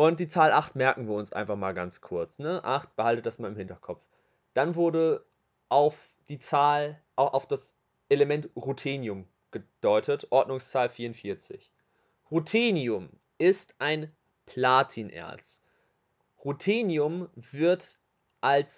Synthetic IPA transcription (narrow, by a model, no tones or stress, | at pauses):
ʔʊnt̚d̥iːt͡saːlʔaχtmɛɐkŋ̩viːɐʊnsʔa̰ɪnfaχmaːlɡant͡skʰʊɐt͡snəʔaχt̚b̥əhaltəd̥asmaːlɪmhɪntɐkʰɔpp͡f | d̥anvʊɐdə | ʔaʊf | d̥iːt͡saːlʔaʊxʔaʊfd̥as | ʔeləmɛntʁutʰeːnjʊm | ɡ̥əd̥ɔʏtʰətʔɔɐdnʊŋst͡saːlfiːɐʊntfiɐt͡sɪ̰ç | ʁutʰiːnjiʊm | ʔɪstʔaɪn | pʰl̥aːtʰinʔɛ̰ɐt͡s | ʁutʰiːnjʊmv̥ɪɐt | ʔals